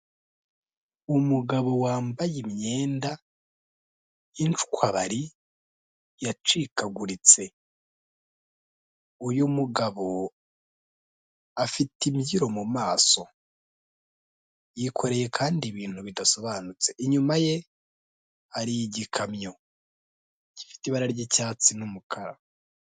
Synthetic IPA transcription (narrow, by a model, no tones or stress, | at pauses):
umuɡaβo̞waːmbajimɲe̞ːnda | int͡ʃu̥kwaβaɾi | jat͡ʃikaɡuɾit͡se̞ | ujumuɡaβo | afitimɟiɾo̞mumaːso̞ | jikʰo̞ɾe̞je̞kʰaːndiβiːn̥huβidaso̞βaːnut͡se̞ʔiɲumaje̞ | aɾijɟikʰamɲo̞ | ɟ̥i̥fi̥tiβaɾaɾɟecaːt͡sinumukʰaɾa̰